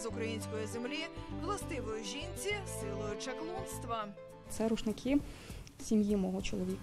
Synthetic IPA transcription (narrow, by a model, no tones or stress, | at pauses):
zʊkɾɐjinʲsʲkɔjizemlʲiʋlˠɐst̪ɪʋɔjʊʒʲinʲt͡sʲisɪlˠɔjʊt͡ʃɐklˠɔnst̪ʋɐ | t̪sɛɾuʃnɪkʰi | sʲimjimɔɦɔt͡ʃɔ̰lˠɔʋʲik